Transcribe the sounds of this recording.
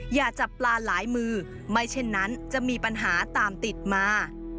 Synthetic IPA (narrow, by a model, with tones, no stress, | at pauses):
jaː˨˩k̚t͡ɕa˨˩plaː˧laː˩˦jmɯː˧ | ma˥˩jt͡ɕʰe˥˩nːa˦˥nt͡ɕa˨˩miː˧pa˧nɦaː˩˦t̪aː˧mt̪i˨˩t̪̚maː˧